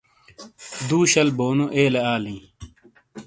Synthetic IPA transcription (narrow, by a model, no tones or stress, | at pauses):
d̪uːɕɐlboːnoʔeːleaːlĩː